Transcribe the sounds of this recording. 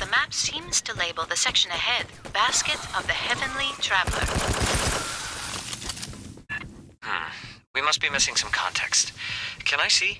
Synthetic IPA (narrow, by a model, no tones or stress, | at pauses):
ðəmæpsĩmz̥tʰɨleɪbl̩ˠðɨsɛkʃɨ̃nɨɦɛdb̥æskɨɾʌvðɨhɛvɨ̃nlitʰɹ̥ævl̩ˠə̰˞ | wimʌst̚b̥imɪsɪ̃ŋsʌ̃mkʰɑ̰̃ntʰɛ̰kstkʰɨ̃naɪsi